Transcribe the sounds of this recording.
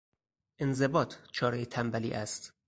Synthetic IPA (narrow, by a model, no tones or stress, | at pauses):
ʔenzebɒːt̪ʰt͡ʃʰɒːɾejet̪ʰæmbælḭːʔæst̪